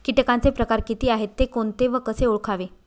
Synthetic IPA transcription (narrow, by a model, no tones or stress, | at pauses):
kiʈkant͡sepɾəkaɾkit̪iːaɦet̪ːekoɳt̪eʋəkəseuɭkʰaʋe